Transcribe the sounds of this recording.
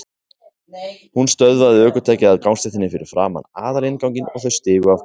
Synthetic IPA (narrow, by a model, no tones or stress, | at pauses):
hunst̪œðvaðɪœːkʏt̪ʰɛːcɪaðkawnst̪ɛht̪ʰɪnːɪfɪɾɪ̰ɾ̥fɾa̰ːma̰naːðaɾɪnkawɲcɪnɔɣθœɥst̪ɪːɣʏa